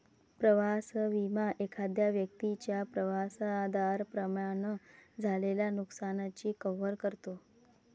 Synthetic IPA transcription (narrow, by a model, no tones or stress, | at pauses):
pɾəʋasʋimaʔekʰad̪jaʋjək̚t̪it͡ɕjapɾəʋasad̪aɾpɾəmaɳəd͡zʱaleljanuksanat͡ɕiːkəʋəɾkəɾt̪o